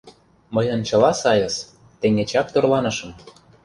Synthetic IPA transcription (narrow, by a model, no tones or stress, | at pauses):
mɤjɤ̆nt͡ɕɤ̆lɑsɑjɤ̆s | t̪ĕŋɡet͡ɕɑkt̪orlɑnɤ̆ʃɤ̆m